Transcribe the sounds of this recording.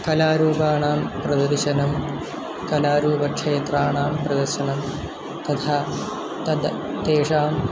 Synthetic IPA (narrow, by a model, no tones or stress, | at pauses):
kɐlaːɾuːbaːɳaːmprɐd̪ɐɾʃɐnɐm | kɐlaːɾuːbɐkʂeːt̪raːɳaːmprɐd̪ɐɾʃɐnɐm | t̪ɐt̪ʰa | t̪ɐd̪ | t̪eːʂaːm